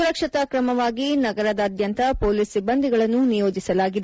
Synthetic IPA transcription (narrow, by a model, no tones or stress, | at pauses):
uɾɐkʂɐt̪ɐkɾɐmɐʋaːɡinɐɡɐɾɐd̪ɐːd̪jɐnt̪ɐpoːliːsibːɐnd̪ʱiɡɐɭɐnːunijo̞ːd͡ʒisɐlaːɡid̪e